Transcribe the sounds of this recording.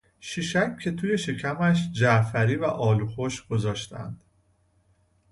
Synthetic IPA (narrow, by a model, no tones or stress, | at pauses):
ʃiʃækcʰːe̞t̪ʰuːje̞ʃecʰæmæʃ̬d͡ʒæʔfæɾiːvæʔɒːluːxoʃɡ̥o̞zɒːʃt̪ʰæ̰nd̪̥